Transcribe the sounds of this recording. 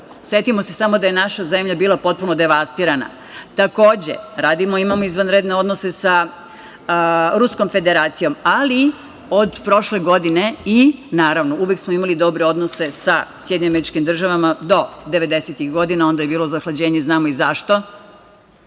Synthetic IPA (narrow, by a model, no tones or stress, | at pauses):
sje̞t̪imo̞se̞samo̞d̪aje̞naʃaze̞mʎabiːlˠapo̞t̪̚puno̞d̪e̞ʋast̪iːɾana̰ | t̪ako̞ːd͡ʑḛɾaːd̪imoimamo̞izʋanɾed̪neo̞d̪nose̞sa | ɾusko̞mfe̞d̪eɾaːt̪sijo̞mali | o̞d̪pɾo̞ʃle̞ɡo̞d̪ine̞inaːɾaʋno̞uʋjeksmoimalid̪o̞bɾe̞o̞d̪nose̞sasjed̪ɲoameɾit͡ʃkimd̪r̩ʒaʋamad̪o̞d̪e̞ʋe̞d̪e̞set̪ixɡo̞d̪inao̞nd̪aje̞biːlozaxlˠad͡ʑeːɲeznaːmoizaʃt̪o̞